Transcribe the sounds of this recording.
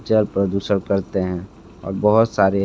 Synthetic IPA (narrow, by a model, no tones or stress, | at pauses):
t͡ʃəɾpɾəd̪uːsəɾkəɾt̪eɦɛ̃ | ɔ̰ːɾbəɦʊt̪saːɾe